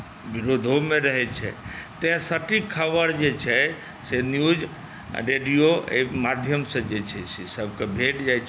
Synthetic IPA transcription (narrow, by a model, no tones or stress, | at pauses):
ʋiɾod̪ʱomẽɾəɦɛt͡ʃʰɛ̰t̪ẽɦsəʈikʰːəbəɾd͡ʒet͡ʃʰɛ | senjud͡ʒ | ɾeɖijoḛmad̪ʱjəmsə̃d͡ʒet͡ʃʰɛsesəbkebʱeʈd͡ʒajt͡ʃʰ